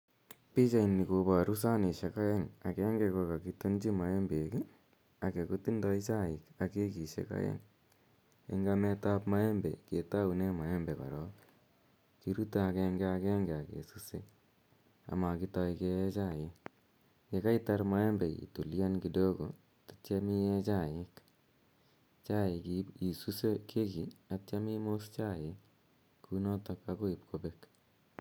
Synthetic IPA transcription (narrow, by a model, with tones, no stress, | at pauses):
pi˦t͡ʃa˨ini˨ko˨ba˨ɾu˦s̬a˦ni˨ʃe˨ka˦jɛ˦ŋa˨kɛ˦ŋɡekɔ˧ka˨kito˦nd͡ʒi˦ma˨e˦mbeki | a˨ke˨ko˦ti˦ndɔ˦i˦t͡ʃa˦ɪ˨ka˨ke˦ki˨ʃḛ˦ka̰˦jɛ̰˦ŋ | ḛ˦ŋɡamɛ˦tapma˦ɛ˦mbɛ̰˨ke˨ta˦unɛ˦ma˨jɛ˦mbɛ˨pa̰˨ɾɔk | kiɾu˦ta˨kɛŋɡea˧kɛ˦ŋɡɛ˨a˨kḛ˨susḛ˦ | a̰˨ma˨ki˦tɔike˧ɛ˦t͡ʃa˦jɪk | ke˨ka˦itaɾma˦ɛ˦mbe˨ḭ˨tu˨lja˦nki˨do˦ko̰˨ | tḁta˦mi˦ɛ˦t͡ʃa˦˨jɪ˦k | t͡ʃa˦ɪ˨kii˨su˦se˦kʰe˦kiata˦mi˦most͡ʃa˦˨jɪk | kːunɔ˦tɔkako˦i˨p̚kʰobek